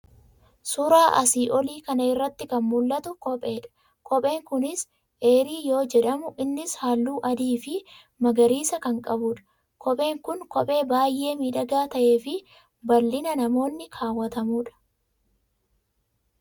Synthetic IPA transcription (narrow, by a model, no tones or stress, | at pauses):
suɾaːʔɐ̰siːʔɔliːkɐnɐɪrːɐt̪ːɪkɐnmʊlːɐt̪ʊkɔpʼe̞ːᶑɐ̥ | kʰɔpʼe̞ːŋkʊnɪs | ʔe̞ːɾiːjo̞ːd͡ʒɛᶑɐmʊʔɪnːɪshaːlːuːʔɐd̪iːfɪ | mɐɡɐɾiːsɐkɐŋkʼɐbuːᶑɐ̥ | kʰɔpʼe̞ːŋkʊŋkɔpʼe̞ːbaːjʔːe̞ːmiːᶑɐɡaːt̪ɐʔe̞ːfɪ | bɐlːɪnɐnɐmo̞ːnːɪkʰaːwːɐt̪ɐmuːᶑɐ̥